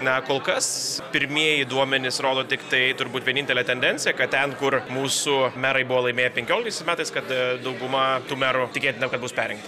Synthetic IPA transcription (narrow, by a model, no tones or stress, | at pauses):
nɐkoːlˠkɐspʲɪɾʲmʲiɛjiːd̪uɔmʲɛnʲɪsɾoːd̪oːt̪ʲɪkt̪ɐɪt̪ʊɾbuːt̪ʋʲiɛnʲɪnt̪ʲɛlʲɛt̪ʲɛnʲd̪ʲɛnʲt͡sʲsʲɪjɛkɐt̚tʲɛnkʊrmuːsʊmʲæːɾɐɪbʊʋoːlˠɐɪmʲeːjɛpʲɛŋkʲoːlʲɪkt̪ɐɪsɪsmʲæːt̪ɐɪskɐt̪d̪ɐʊɡʊmɐt̪uːmʲæːɾʊt̪ʲɪkʲeːt̪ʲɪnʲɐkɐt̪buːspʲæːɾʲɛŋkt̪